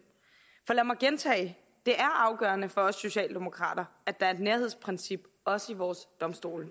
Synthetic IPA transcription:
fɒ̽læmɑ̈ɪɡ̥ent͡sʰɛ̰ː | d̥e̝ʔæɐʔɑ̈ʊɡ̥ɶ̰ːɐnəfɒ̽ɒ̽sːo̝ɕɛ̰ːld̥emo̝kʰʁɑ̰̈ːd̥ɐæd̥ɑ̈æɐe̝d̥neɐhe̝̰spʰʁɛnsib̥ | ɒ̽səiʋɒːsd̥ɒ̽msd̥o̝̰ːl

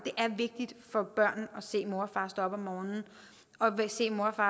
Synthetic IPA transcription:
d̥e̝ʔæɐʋe̝ɡ̥̚d̥id̥fɒ̽b̥ɶɐ̰n̩ɒse̝̰ːmo̝ɐfɑ̈ːsd̥ɒ̽b̥ɒmːɒːnn̩ | ɒ̽se̝̰ːmo̝ɐfɑ̈ː

